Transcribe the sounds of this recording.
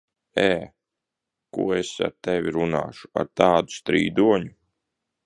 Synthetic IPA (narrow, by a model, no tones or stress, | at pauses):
ɛː | kṵɔesa̰ɾt̪ɛvʲiɾuna̰ːʃu̥a̰ɾt̪ɑːd̪u̥st̪ɾḭːd̪uɔɲu